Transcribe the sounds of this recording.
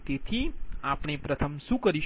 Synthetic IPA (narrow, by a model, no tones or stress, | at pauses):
t̪et̪ʰiapɳ̃epɾət̪ʰəmsũkəɾi